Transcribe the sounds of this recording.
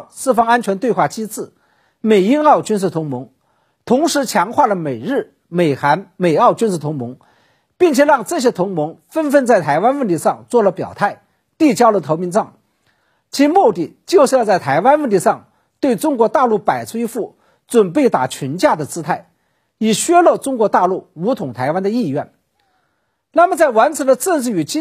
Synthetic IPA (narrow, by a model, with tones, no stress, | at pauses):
sɹ̩˥˩fɑ˥ŋa˥nt͡ɕʰɥɛ˧˥nt̪we˥˧ɪxwa˥˩t͡ɕi˥t͡sɹ̩˥˩ | me˨˩ɪi˥nɑ˥˩˧ʊt͡ɕy˥nsʂ̩˥˩t̪ʰʊ˧˥ŋmʊ˧˥ŋ | t̪ʰʊ˧˥ŋʂɻ̩˧˥t͡ɕʰjɑ˧˥ŋxwa˥˩lə˩me˨˩ɪɻɻ̩˥˩ | me˨˩ɪxa˧˥nme˨˩ɪɑ˥˩ʊt͡ɕy˥nʂɹ̩˥˩t̪ʰʊ˧˥ŋmʊ˧˥ŋ | pi˥˩ŋt͡ɕʰjɛ˨˩ɻɑ˥˧ŋʈ͡ʂɤ˥˩ɕ̬jɛ˥t̪ʰʊ˧˥ŋmʊ˧˥ŋfə˥nfə˥˧nt͡sa˥˩ɪt̪ʰa˧˥ɪwa˥nwə˥˩nt̪ʰi˧˥ʂɑ˥˧ŋt͡swɔ˥˩lə˩pjɑ̰˨˩ʊt̪ʰa˥˩ɪ | t̪i˥˩t͡ɕjɑ˥ʊlə˨t̪ʰo˧˥ʊmi˧˥nt͡sɑ˥˩ŋ | t͡ɕʰi˧˥mu˥˧t̪i˥˩t͡ɕjo˥˧ʂɻ̩˥˧jɑ˥˧t͡sa˥˩ɪt̪ʰa˧˥ɪwa˥nwə˥˩nt̪ʰi˧˥ʂɑ˥˧ŋ | t̪we˥˩ɪʈ͡ʂʊ˥ŋkwɔ˧˥t̪a˥˧lu˥˩pa˨˩ɪt͡sʰwe˥ɪfu˥˩ | t͡swə˨˩npe˥˩ɪt̪a̰˨˩t͡ɕʰi˧˥nt͡ɕja˥˩d̪ə˩t͡sɹ̩˥t̪ʰa˥˩ɪ | i˨˩ɕɥɛ˥lɔ˥˩ʈ͡ʂʊ˥ŋkwɔ˧˥t̪a˥˧lu˥˩u˧˥t̪ʰʊ˨˩ŋt̪ʰa˧˥ɪwa˥nd̪ə˧i˥˧ɥɛ˥˩n | na˥˩mə˩t͡sa˥˩ɪwa˧˥nt͡s̩ʰ˧˥d̪ə˧ʈ͡ʂə˥˧nʂ̬ɻ̩˥˩y˨˩t͡ɕi˥